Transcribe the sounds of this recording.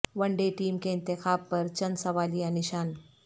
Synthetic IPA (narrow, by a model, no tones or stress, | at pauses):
ʋəɳɖeʈiːmkeɪnt̪ɪxaːb̚pəɾt͡ɕənsɐʋalijaniɕaːn